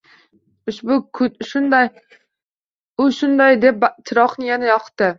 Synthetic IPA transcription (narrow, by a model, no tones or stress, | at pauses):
ʊʃbʊkʰʊʃʊnd̪aj | ʊʃʊnd̪ajd̪e̞p̚bt̪ʰɪɾɒqnɪjanajɒqʰt̪ːɪ